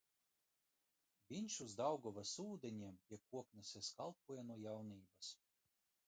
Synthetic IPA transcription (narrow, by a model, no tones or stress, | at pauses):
bʲinʲʃuzd̪awɡɔvasuːd̪ʲɛnʲiɛmpʲiɛkuɔknʲɛsʲɛskalˠpuɔjɛnuɔjawniːbas